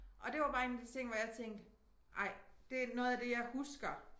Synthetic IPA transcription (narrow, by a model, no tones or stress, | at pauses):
ʔɒ̽d̥e̝ʋɑ̈b̥ɑ̈ːe̝ːnd̥it͡sʰe̝ŋ̰ʋɒjɑ̈ɪt͡sʰeŋ̰d̥ | ʔɑ̈ɪ̰d̥e̝nɔ̽ːð̩ˠæd̥e̝jɑ̈ɪhusɡ̥ɐ